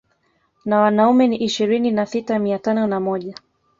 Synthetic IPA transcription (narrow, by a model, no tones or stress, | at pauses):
nawanaumɛniʔiʃiɾininasitamiatanɔnamɔʄa